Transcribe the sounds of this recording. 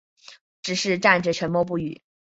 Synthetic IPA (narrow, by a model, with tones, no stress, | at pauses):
ʈ͡ʂɻ̩˨˩ʂɻ̩˥˧ʈ͡ʂa˥˩nʈ͡ʂə˨˩ʈ͡ʂʰə˧˥nmwɔ˥˧p̬u˥˩y˨˩˦